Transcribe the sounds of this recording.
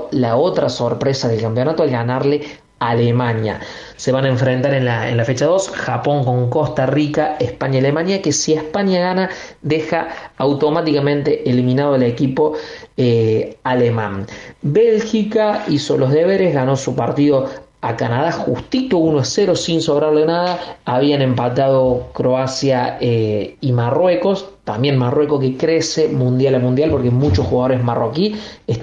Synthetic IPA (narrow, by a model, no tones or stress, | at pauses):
lao̞t̪ɾaso̞ɾpɾesaðe̞lkampjo̞nat̪oalɣanaɾle | alemaɲja̰ | se̞βanaeɱfɾent̪aɾenlaḛnlafet͡ʃaðo̞sxapo̞ŋko̞ŋkost̪arikaehpaɲjaalemaɲjakesiehpaɲjaɣana | d̪exaːwt̪o̞mat̪ikamẽnt̪eʔelimĩnað̞oalekipo̞ | alemã̰nbe̞lxikaisolo̞ɦðeβe̞ɾeɦɣano̞supaɾt̪iðo̞akanað̞axust̪it̪ounoeseɾosinso̞βɾaɾlenaðaːβianẽ̞mpat̪að̞o̞kɾoasjaeimarwe̞ko̞st̪ambje̞nmarwe̞kok̬e̞kɾesemũnd̪jalamũnd̪jalpo̞ɾkemut͡ʃosxuɣað̞oɾe̞ɦmarokie